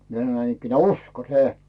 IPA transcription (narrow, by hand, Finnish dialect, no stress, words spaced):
mie sɑ̆noĭ næinikːineæˑ usko se